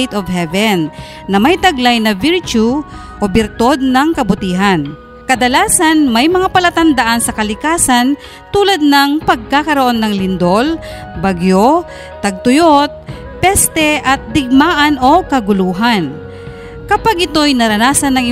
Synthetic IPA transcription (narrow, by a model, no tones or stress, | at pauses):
jt̪ɔvhɛvɛnː | ɐmɐjt̪ɐɡlajnɐvɪɾt͡ʃu | ʔobɪɾt̪od̪̚nɐŋkɐbʊt̪iːɦan | kɐd̪ɐlaːsanmɐjmɐŋapɐlɐt̪ɐnd̪aʔansɐkɐlɪkaːsan | t̪uːlad̪̚nɐŋpɐɡ̚kakɐɾoʔo̞nːɐŋlɪnd̪ol | baɡjo | t̪ɐɡ̚t̪ʊjot̪̚ | pɛst̪ɛʔɐt̪̚d̪ɪɡ̚maːʔɐno̞kɐɡʊluːɦan | kɐpaɡʔɪt̪o̞jnɐɾɐnaːsɐnːɐŋɪ